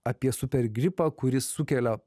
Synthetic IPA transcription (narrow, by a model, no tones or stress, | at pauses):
ɐpʲiɛsʊpʲɛɾʲɡʲɾʲɪpɑːkʊɾʲɪsːʊkʲɛlʲɛ